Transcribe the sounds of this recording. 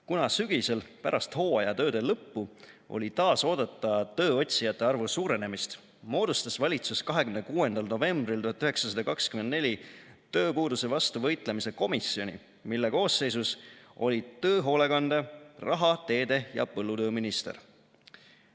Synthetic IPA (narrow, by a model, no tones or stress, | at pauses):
kunɑsyɡ̥ise̞lpæɾʔɑst̪ho̞ːɑjɑt̪ø̞ːd̪̥e̞lɤpːu | ʔo̞̰lʲit̪ɑːso̞ːd̪̥ɑt̪ːˑɑt̪ø̞ːo̞t̪ʲsijɑt̪ːˑe̞ɑrvusuːɾe̞ne̞mist̪ | mo̞ːd̪ust̪ɑsvɑlʲit̪suskɑɦe̞kymnekuːe̞nd̪ɑlno̞ve̞mbrilt̪uhɑt̪ːˑyɦe̞ksɑsɑd̪ɑkɑkskyme̞nd̪ne̞lʲit̪ø̞ːpuːd̪use̞vɑst̪uvɤ̞jt̪ˑle̞mise̞ko̞misːio̞nʲḭ | milːe̞ko̞ːsːe̞jsuso̞̰lʲit̪ø̞ːɦo̞ːle̞kɑnd̪erɑɦɑt̪e̞ːd̪e̞jɑ̰pɤlːut̪ø̞ːminist̪ḛr